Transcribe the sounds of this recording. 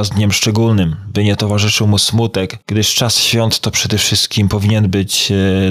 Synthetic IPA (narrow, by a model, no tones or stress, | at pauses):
zd̪ɲɛmʂt͡ʂɛɡulnɘmbɘɲɛt̪ɔvaʐɘʂɘwmusmut̪ɛɡɡd̪ɘʂt͡ʂasɕfʲjɔnt̪ːɔpʂɛd̪ɛfʂɘst̪̚kʲimpɔvʲiɲɛnbɘt͡ɕ